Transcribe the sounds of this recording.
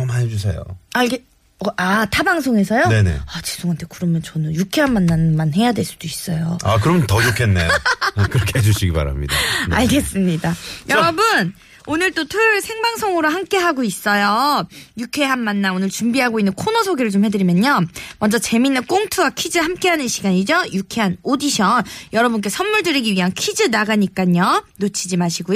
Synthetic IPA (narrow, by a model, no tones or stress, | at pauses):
omaned͡ʑus̬ʰe̞̰jo̰aɭɡe | ʌatʰabaŋsʰoŋe̞sʰʌjoneneat͡ɕi̥sʰoŋɦantʰe̞kɯɾʌmjʌnt͡ɕʌnɯnjukʰe̞ɦanːanːanmanhe̞jadwe̞ɭs͈ud̥ois͈ʌjoakɯɾʌmjʌntʌd͡ʑokʰe̞nːḛokɯɾʌkʰeed͡ʑuɕʰiɡipa̰ɾa̰mɲḭdaaɭɡe̞s͈ɯmɲidajʔʌɾʌbɯn | onɯɭt͈otʰusʰe̞ŋbaŋsʰʌŋɯɾohamk͈e̞ɦaɡois͈ʌjojukʰe̞ɦanːanːaonɯɭt͡ɕumbiɦaɡoinːɯnkʰonosʰoɡiɾɯɭt͡ɕomɸe̞dɯɾimjʌnɲːʌmʌnd͡ʑʌt͡ɕe̞minːɯnk͈oŋtʰuwakʰid͡ʑɯhamk͈e̞ɦanɯnɕʰiɡaɲid͡ʑʌjukʰe̞ɦanodiɕʰʌnjʌɾʌbunk̬͈e̞sʰʌnmuɭdɯɾiɡiɥiɦankʰid͡ʑɯnaɡaɲik͈aɲʌnot͡ɕʰid͡ʑimaɕʰiɡu